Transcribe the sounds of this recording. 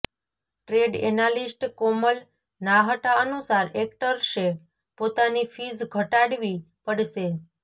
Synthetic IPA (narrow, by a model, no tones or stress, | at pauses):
ʈɾeɖḛnalisʈkoməl | naɦəʈaənusaɾek̚ʈəɾʃe | pot̪anifid͡ʒɡʱəʈaɽʋi | pəɽʃe